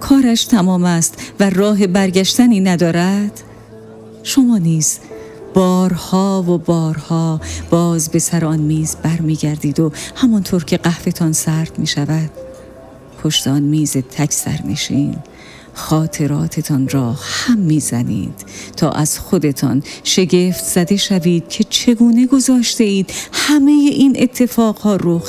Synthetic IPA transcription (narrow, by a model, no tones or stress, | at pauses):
kʰɒːɾæʃt̪ʰæmɒːmæst̪værɒːɦe̞bæɾɟæʃt̪æniːnæd̪ɒːɾæd̪̥ | ʃomɒːniːz̥b̥ɒːɾhɒːvobɒːɾhɒːb̥ɒːzbe̞sæɾeɒnmiːzbæɾmiːɟæɾd̪iːd̪ohæmɒnt̪ʰoːɾcʰe̞ɢæhfe̞t̪ʰɒnsæɾd̪miːʃævæd̪̥ | pʰo̞ʃt̪eɒnmiːzet̪ʰækʰsæ̰ɾmḛʃiːn | xɒːt̪ʰe̞ɾɒːt̪ʰe̞t̪ʰɒnɾɒːhæmːiːzænḭːd̪̥t̪ːʰɒ̰ːʔæz̥xod̪e̞t̪ʰɒ̰nʃe̞ɟe̞ft̪z̥æd̪e̞ʃæviːd̪̥̚cʰe̞t͡ʃʰe̞ɡuːne̞ɡo̞zɒːʃt̪e̞iːd̪̥hæme̞jeʔinʔe̞t̪ʰːe̞fɒːɡhɒːɾox